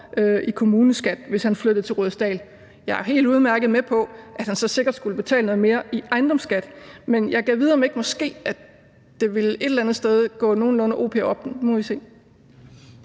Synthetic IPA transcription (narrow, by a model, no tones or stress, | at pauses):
øikʰo̝muːnəsɡ̥æd̥ʋe̝shænflød̥ð̩ˠt͡sʰe̝ʁoð̩ˠsd̥ɛ̰ːl | jɑ̈ɪæɐɦe̝̰ːld̥uð̞ˠmæɐɡ̥əð̩ˠmepʰɒ̽ʔæd̥hænsɒ̽se̝ɡ̥ɐd̥sɡ̥uləb̥e̝t͡sʰɛ̰ːlnɔ̽ð̩ˠme̝ːɐʔiʔɑ̈ɪnd̥ɒ̽msɡ̥æd̥menjɑ̈ɪɡ̥ɛʋið̞ˠɐmee̝ɡ̥mɒ̽sɡ̥e̝̰ːæ | d̥e̝ʋe̝le̝ɾ̥elænð̩ˠsd̥eð̞ˠɡ̥ɔ̰ːno̝ːn̩lɔ̽nəʔo̝̰ːpʰḛːɒ̽b̥mɔʋise̝̰ː